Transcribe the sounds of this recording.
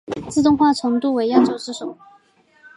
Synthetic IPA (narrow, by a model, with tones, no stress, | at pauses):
t͡sɹ̩˥˧t̪ʊ˥˧ŋxwa˥˩ʈ͡ʂʰɤ˧˥ŋt̪u˥˩we˧˥ɪjɑ˥˩ʊʈ͡ʂo˨˩ʊt͡sɹ̩˥˩ʂo˨˩˦